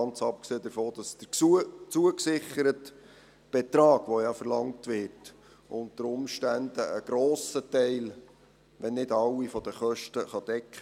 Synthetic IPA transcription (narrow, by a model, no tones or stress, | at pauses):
ɑnt͡sɑp̚kseːd̪əfoːd̥ɑsd̥ət͡suəksɪχəɾət | b̥ɛt̪ɾɑːɡ̥ʋojɑfəɾlɑŋtʋɪɾt | ʔʊnt̪əɾʊmʃtænd̥əəɡ̥ɾɔːsətɛɪl | ʋɛnːɪdɑwifɔd̥əχœʃtəχɑd̥ɛkχə